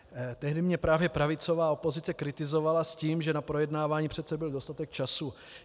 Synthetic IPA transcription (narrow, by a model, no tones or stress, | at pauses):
t̪ɛɦdɪmɲɛpɾaːvjɛpɾavɪt͡so̞vaːo̞po̞zɪt͡sɛkɾɪt̪ɪzo̞valasciːmʒɛnapɾo̞jɛdnaːvaːɲiːpr̝̥ɛt̪sɛbɪldo̞st̪at̪ɛk̚t͡ʃasu